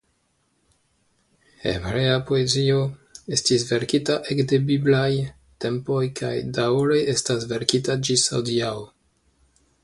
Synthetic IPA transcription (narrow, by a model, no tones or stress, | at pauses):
ḛvɾeapoezioestisve̞ɾkitaʔekde̞biblaj | te̞mpojkʰajdawɾeʔestasve̞ɾkitad͡ʒisawdiao